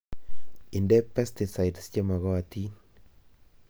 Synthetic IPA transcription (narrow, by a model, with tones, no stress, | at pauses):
ɪ˨ndɛ˦pɛ˦st̪ɪ˨sa˨jdst͡ʃe˦ma˨ɣɔ˦a˨t̪iː˦n